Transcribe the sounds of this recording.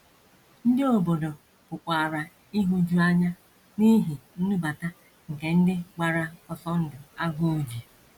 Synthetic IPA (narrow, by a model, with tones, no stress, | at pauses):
n̩˦dɪ˦o˨bo˨do˨ | kʊ˨k͡pʷa˨ɾa˨ | i˦ɦu˦d͡ʒu˦a˦ɲa˦ | ni˦ɦi˨n̩˦nu˦ba˨ta˦ | ŋ̩˨ke˨n̩˦dɪ˦ɡ͡ba˨ɾa˦ɔ˨sɔ˦ŋ̩˦dɪ˨a˦ɡʊ˦˨d͡ʒi˨